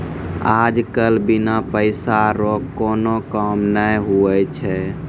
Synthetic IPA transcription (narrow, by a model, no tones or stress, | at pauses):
ad͡ʒkəlbinapəɪsaɾokkːonokəmnəjɦuət͡ʃʰɛ